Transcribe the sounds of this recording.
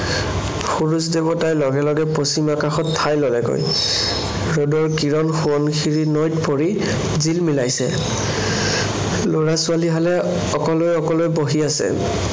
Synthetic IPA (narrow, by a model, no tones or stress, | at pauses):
pʰuɹus̬debɔtajlɔɡɛlɔɡɛposimakaxɔtʰːajlɔlɛko̰j | ɹodɔɹkiɹɔnxuɔnkʰiɹinɔjtpoɹi | zilmilajsɛ̰ | loɹasʊaliɦalɛ | ɔkɔlojɔkɔlojboɦiasɛ̰